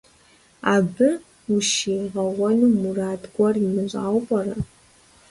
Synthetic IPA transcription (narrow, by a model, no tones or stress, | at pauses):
abɨ | uʃiːʁɐwɐnumuraːdʼɡʷɐrimɨɕʷʼaːwpʼɐrɐ